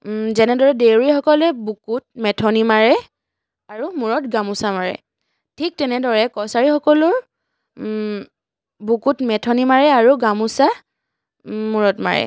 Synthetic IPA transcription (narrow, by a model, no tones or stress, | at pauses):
zɛnɛdɔɹɛdewɹixɔkɔlɛbukut̚mɛtʰɔnimaɹɛ | aɹumuɹɔtɡamusamaɹɛ̰ | tʰik̚tɛnɛdɔɹɛkɔsaɹixɔkɔlʊɹ | bukutmɛtʰɔnimaɹɛaɹuɡamusa | muɹɔtma̰ɹɛ̰